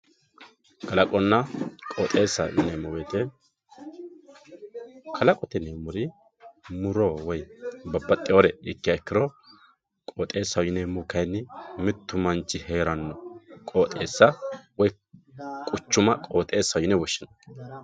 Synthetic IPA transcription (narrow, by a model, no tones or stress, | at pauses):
ɡ̥ɐlɐkʼɔnːɐkʼoːt̪ʼe̞ːsːɐwɪnɛmɔwet̪ɛ | kʰɐlɐkʼɔt̪ɛnɛmʊɾɪ | mʊɾɔwɔjbɐbːɐt̪ʼːɪɔɾɛɪkːɪjɐɛkːɪɾɔ | kʼoːt̪ʼe̞ːsːɐwjɪnɛmʊkɐjnːɪmɪt̪ːʊmɐnt͡ʃːɪhe̞ːɾɐnːɔkʼoːt̪ʼe̞ːsːɐwɔj | kʼʊt͡ʃːʊmɐkʼo̞ːt̪ʼe̞ːsːɐwjɪnɛwɔʃːɪnɐ